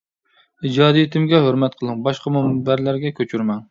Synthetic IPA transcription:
id͡ʒɑːd̪ijit̪ʰɪmɡʲɛɦøɾmɛt̪̚qʰəlˠɨŋbɑʃqɑmɛmbæɾlæɾɡʲɛkʲʰøt͡ʃʰyɾmɛn

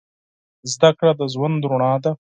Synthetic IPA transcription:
zd̪akɽad̪əzwand̪ɾʊɳɑd̪a

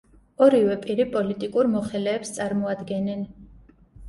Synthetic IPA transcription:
ɔɾivɛpʼiɾipʼɔlit̪ʼikʼuɾmɔχɛlɛːpst̪sʼaɾmɔad̪ɡɛnɛn

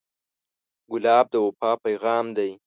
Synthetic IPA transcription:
ɡʊlɑːb̚d̪əwʊpɑpajɣɑːmd̪aj

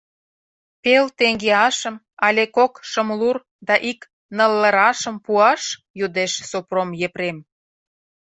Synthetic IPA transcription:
pelt̪eŋɡeɑʃə̆m | ɑlʲekokʃəmlur | d̪ɑʔik | nəlːə̆ɾɑʃə̆mpuɑʃ | jud̪eʃsopromjeprem

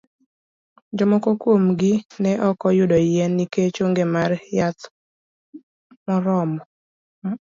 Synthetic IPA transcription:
d͡ʒɔmɔkɔkwomɡɪnɛʔɔkɔjʊdɔjɛnːiket͡ʃoŋɡemarjat̪ | mɔɾɔmɔ

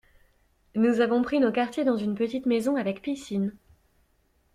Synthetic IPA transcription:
nuzavɔ̃pχinokaʁt̪jed̪ɑ̃zynpət̪it̪mezɔ̃avɛkpisin

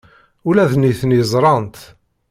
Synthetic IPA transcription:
ulæðniθnjzˤɾˤɑnt̪

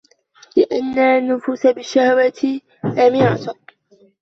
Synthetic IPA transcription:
lɪʔanːanːʊfuːsabɪʃːahwat̪ɪ | ʔamɪʕat̪ʊ

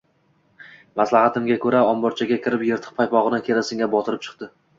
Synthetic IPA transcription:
maslˠahat̪ʰɪmɡʲakʰɵɾaɒmbɒɾt͡ʃʰaɡʲakʲʰɪɾɪpjeɾt̪ʰɪ̥q̚pʰajpɒʁɨnɪkʲʰe̞ɾasɪŋʲabɒt̪ʰɪɾɪp̚t͡ʃʰɨ̥qt̪ɪ

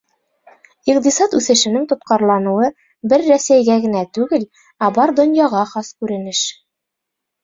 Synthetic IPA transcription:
iqt̪isɑt̪ʉθɘ̆ʃɘ̆nɘŋt̪ŏt̪̚qɑɾlˠɑnŭwɤ | bɘɾːæsæjɡæɡɘ̆næt̪ʉɡɘl | æbɑɾd̪ŏnjɑʁɑχɑskʉɾɘ̆nɘʃ

